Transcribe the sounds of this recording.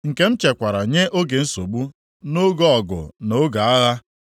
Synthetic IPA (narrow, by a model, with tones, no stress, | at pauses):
ŋ̩˨ke˨˦m̩˦t͡ʃe˨kʷa˨ɾa˨ɲe˦ʔo˦ɡe˨n̩˦so˨ɡ͡bu˦ | no˦ɡɔ˦ɔ˨ɡʊ̰˨no˨˦ɡa˨a˦ɣa˦